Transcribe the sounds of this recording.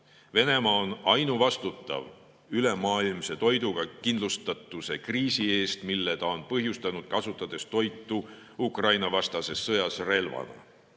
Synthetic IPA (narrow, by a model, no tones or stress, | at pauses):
ve̞ne̞mɑonɑjnuvɑst̪ut̪ːˑɑ̰v | yle̞mɑːilmse̞t̪o̞jd̪uɡ̥ɑkind̪lust̪ɑt̪ːˑuse̞kriːsie̞ːst̪milːe̞t̪ɑo̞npɤɦjust̪ɑnud̪̥kɑsut̪ːˑɑd̪̥e̞st̪o̞jt̪ːˑu | ukrɑjnɑvɑst̪ɑse̞sːɤjɑsre̞lvɑ̰nɑ̰